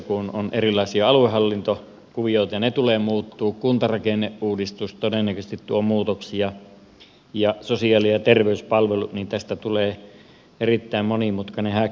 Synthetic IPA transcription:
kunonʔerilːˑɑˑesiɑɑluehɑlːint̪o | kuʋioˑit̪ɑjɑnet̪uleːmuːt̪ːuːkkunt̪ɑrɑkenːeʔʔuːdist̪ust̪odenːækøst̪it̪t̪uomuːt̪oksiɑ | jɑsosiɑlijɑt̪erʋeyspɑlʋeluʔ̪nint̪æst̪æt̪uleː | erit̪ːæˑimmonimut̪kɑnehæ

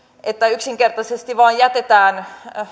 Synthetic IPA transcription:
ʔet̪ːæyksiŋkert̪ɑsest̪iʋɑːjjæt̪et̪æːn

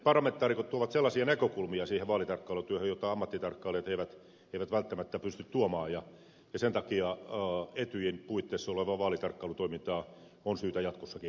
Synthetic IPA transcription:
pɑrːˑɑment̪ːˑɑːrikot̪t̪uoʋɑt̪selːɑsiɑnekøkulmiɑsiːheʋɑːlit̪ɑrkːɑːlut̪yøhøjot̪ːɑɑmːɑt̪ːit̪ɑrkːɑːleːt̪eiʋæt̪ | eiʋæt̪ʋælt̪ːæmæt̪ːæpyst̪yt̪t̪uomɑːjjɑ | jɑsent̪ɑkiɑ | et̪yjinpuit̪ːeːsːoleʋɑʋɑːlit̪ɑrkːɑːlut̪oimint̪ɑː | onsyːt̪æjɑt̪kosːɑki

